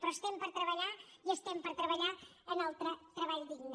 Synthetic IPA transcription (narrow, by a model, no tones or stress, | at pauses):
pɾɔest̪ɛmpəɾt̪ɾəβəʎaiəst̪ɛmpəɾt̪ɾəβəʎaənalˠt̪ɾət̪ɾəβaʎd̪iɣn